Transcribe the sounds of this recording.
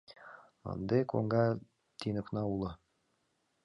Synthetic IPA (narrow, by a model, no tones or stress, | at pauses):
ɤ̰nd̪ɤko̰ŋɡɑ | t̪inɤ̆knɑulˠɤ